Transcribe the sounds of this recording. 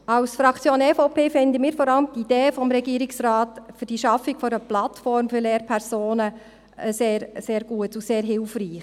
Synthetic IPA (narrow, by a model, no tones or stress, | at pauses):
ɑwsfɾɑkt͡sjoːnɛfopʰeːfɪnd̪əmiːɾfɔɾɑləmt̪id̥eːfɔmɾɛɡiəɾiksɾaːtfyɾd̥iʃɑfikfɔɾəplɑtfɔɾmfyɾleːɾpʰɛɾzoːnə | seːɾseːɾɡ̥uətuseːɾɦɪlfriːχ